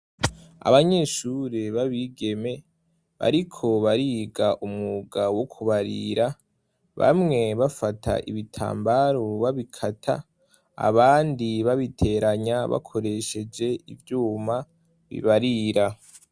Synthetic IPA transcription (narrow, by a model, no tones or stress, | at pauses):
a̰βaɲe̞ːʃuɾeβaβiɡe̞me̞ | βa̰ɾikʰo̞βaɾiɡaʔumuɡawo̞kʰuβaɾḭɾa | βa̰mŋe̞βafatʰa̰ʔḭβitʰa̰ːmbaɾoβaβikʰatʰa̰ | a̰βaːndiβaβitʰe̞ɾaɲaβa̰kʰo̞ɾe̞ʃe̞d͡ʒe̞ʔivjuːma | βḭβaɾiɾa